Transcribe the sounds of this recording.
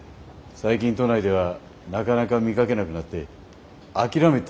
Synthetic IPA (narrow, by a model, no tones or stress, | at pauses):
saik̬ʲĩnt̪o̞naid̪e̞β̞a | nakanakamʲikake̞nakɯ̟nat̪ːe̞ | akʲiɾamet̪ː